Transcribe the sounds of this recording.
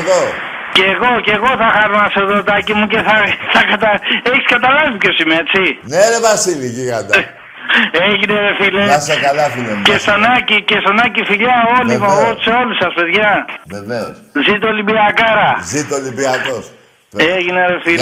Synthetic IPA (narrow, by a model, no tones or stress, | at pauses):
ðo | ceɣo̞ceɣo̞θɐxɐɾonɐseðot̪ɐcimuceθɐθɐkɐt̪ɐeçi̥skɐt̪ɐlɐvipço̞simeɐet͡sineɾevasilicikat̪a | eʝineɾefileasekalɐfilemest̪onɐcicest̪onɐcifiʎɐo̞limɐoseo̞lusɐspe̞ðʝɐveveo̰szit̪̬olibiɐkɐɾɐzit̪olibiakos | eʝineɾefi